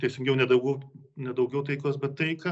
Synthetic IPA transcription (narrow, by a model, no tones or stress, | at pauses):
t̪ʲɛɪsʲɪŋɡʲɛʊnʲɛd̪ɐʊɡʲɛʊnʲɛd̪ɐʊɡʲɛʊt̪ɐɪkoːsbʲɛt̪tːɐɪkɐ